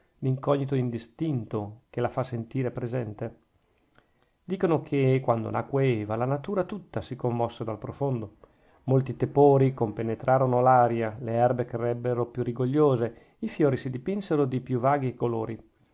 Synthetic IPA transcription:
liŋkɔɲːit̪oind̪ist̪int̪okelafasːent̪iːɾepɾezɛnt̪e | d̪iːkonokʰekwand̪o̰nakːweeːvalanat̪uːɾat̪ut̪ːasikomːɔsːed̪alpɾofond̪o | molt̪it̪epoːɾikompenet̪ɾʔaːɾonolaːɾjaleɛrbekɾeɾɛbːeɾopjuriɡoʎːoːze | ifjoːɾisid̪ipinseɾod̪ipjuvaːɡiekoloːɾi

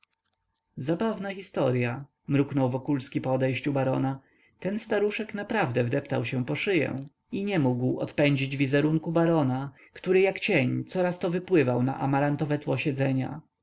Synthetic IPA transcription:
zabavnaxʲist̪ɔɾja | mɾuknɔwvɔkulskʲipɔɔd̪ɛjɕt͡ɕubaɾɔ̰na | t̪ɛnst̪aɾuʂɛknapɾavd̪ɛvd̪ɛpt̪a̰wɕɛ̃pɔʂɘjɛ̰̃ | iɲɛmuɡwɔ̰t̪pɛɲd͡ʑid͡ʑvʲizɛɾuŋkubaɾɔna | kt̪uɾɘjakt͡ɕeɲt̪sɔɾast̪ɔvɘpwɘvawna̰ʔamaɾant̪ɔvɛt̪wɔɕɛd̪zɛɲa̰

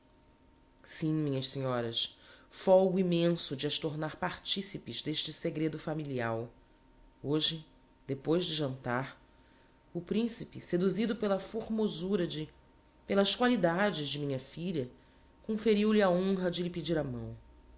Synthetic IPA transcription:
sĩmĩɲɐssiɲɔɾɐsfɔwɡʊimẽsʊd͡ʒɪaʃt̪oɾnaɾpaɾt͡ʃisipɪzd̪eʃt͡ʃɪseɡɾed̪ʊfamiliaw | oʒɪ | d̪epojzd͡ʒɪʒɐ̃nt̪aɾ | ʊpɾĩsipɪsed̪uzid̪ʊpelɐfoɾmozuɾɐd͡ʒɪ | pelɐskwalid̪ad͡ʒɪzd͡ʒɪmĩɲɐfiʎɐ | kõfeɾiwliaõɦɐd͡ʒɪlɪped͡ʒiɾamɐ̰̃w̃

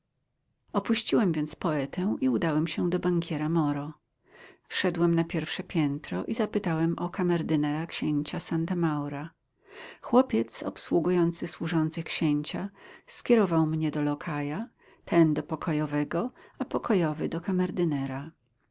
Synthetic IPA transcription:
ɔpuɕt͡ɕiwɛmvʲjɛnt̪spɔɛt̪ʰɛ̃w̃ʔiud̪awɛmɕɛd̪ɔbaŋkʲjɛɾamɔɾɔ | fʂɛd̪wɛmnapʲjɛɾfʂɛpʲjɛnt̪ɾɔ̰ʔizapɘt̪awɛmʔɔkamɛɾd̪ɘnɛɾakɕeɲt͡ɕasant̪amawɾa | xwɔpʲjɛt̪sɔ̰pswuɡujɔnt̪sɘswuʐɔnt̪sɘxkɕeɲt͡ɕaskʲjɛɾɔvawmɲɛd̪ɔlɔkʰaja | t̪ʰɛnd̪ɔpɔkʰɔjɔvɛɡɔapɔkɔjɔvɘd̪ɔkamɛɾd̪ɘnɛɾa

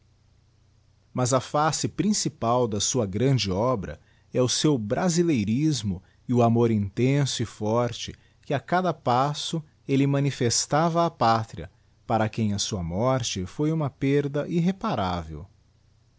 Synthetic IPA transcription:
mɐzɐfasɪpɾĩsipawd̪ɐsuɐɡɾɐ̃d͡ʒɪɔbɾɐ̰ | ɛʊsewbɾʔazilejɾizmʊ | ɪʊamoɾĩnt̪ẽsʊɪfɔɾt͡ʃɪ | kɪakad̪ɐpasʊ | elɪmɐ̃nifest̪avɐːpat̪ɾiɐ̰ | paɾɐkẽj̃ɐsuɐmɔɾt͡ʃɪfojũmɐpeɾd̪ɐʔiɦepaɾavḛw

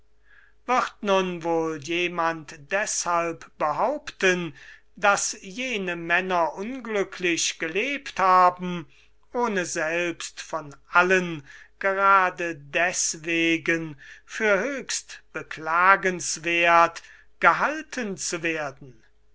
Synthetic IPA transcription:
v̥ɪʁtnʊnvoːljeːmantd̥ɛshalpb̥əɦaʊptən | dasjeːnəmɛnɐʔʊnɡlʏkʰlɪɕɡ̥əleːpthaːbm̩ | ʔoːnəzɛlpstfɔnʔalənɡ̥əʁaːdədɛsveːɡənfyːɐhøːkstb̥əklaːɡənsv̥eːɐt | ɡ̥əɦaltʰənt͡suveːɐdn̩

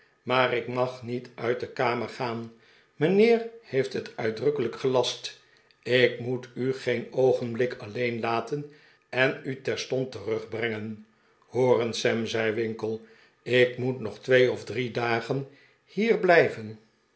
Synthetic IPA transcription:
maːrɪkmɑχnitœɥt̚dəkaːməɹχaːn | mənɪːrhejftɦətœɥdrɵkələkχəlɑst | ɪkmutyχejnowχənblɪkɑlejnlaːtən | ɛnytɛɹstɔntərɵχbrɛŋən | hoːrənsɛmzɛjʋɪŋkəlˠ | ɪkmutnɔχtʋejɔvdridaːχən | hiːɹblɛjvən

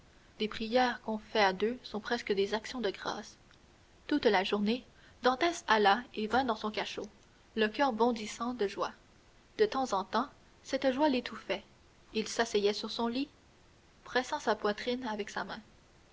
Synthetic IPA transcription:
d̪̥epχijɛʁkɔ̃fɛad̪øsɔ̃pχɛskəd̪ezaksjɔ̃d̪əɡʁa̰ːs | t̪ut̪laʒuʁne | d̪ɑ̃t̪ɛsalaevɛ̃d̪ɑ̃sɔ̃kaʃo | ləkʲœːʁbɔ̃d̪isɑ̃d̪əʒwa | d̪̥ət̪ɑ̃zɑ̃t̪ɑ̃ | sɛt̪ʒwalet̪ufɛ | ilsasɛjɛsyʁsɔ̃li | pχɛsɑ̃sapwat̪χinavɛksamɛ̃

